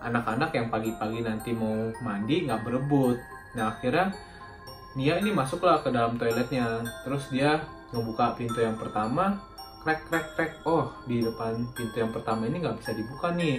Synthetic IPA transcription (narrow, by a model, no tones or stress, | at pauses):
ʔa̰nakanakjaŋpaɡipaɡinant̪imaumandiŋɡaʔbəɾəbʊt̪̚ | naːkirɲa | niainimasʊklahkədalamt̪oalɛt̪̚ɲat̪əɾʊsdia | ŋəbukapint̪ujaŋpərt̪ama | kɾɛkːɾɛk̚ɾɛk̚ɔhdiidəpanpint̪ujaŋpərt̪amainiŋɡaʔbisadibukanɪ